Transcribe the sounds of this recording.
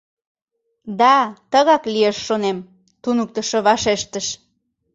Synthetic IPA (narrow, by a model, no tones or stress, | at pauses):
d̪ɑt̪əɣɑklieʃːonem | t̪unuk̚t̪əʃoβɑʃeʃt̪əʃ